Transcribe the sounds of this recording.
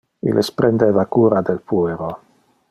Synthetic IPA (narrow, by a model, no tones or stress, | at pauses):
ḭlʔespɾend̪evakuɾad̪elpueɾo